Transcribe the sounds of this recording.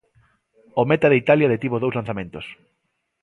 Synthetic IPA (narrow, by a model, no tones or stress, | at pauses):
omet̪aðeit̪aljaðet̪iβoðowzlan̟θamẽnt̪os